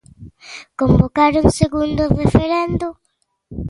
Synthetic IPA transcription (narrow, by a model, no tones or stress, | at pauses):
kombokaɾuŋseɣund̪ʊrefeɾɛnd̪ʊ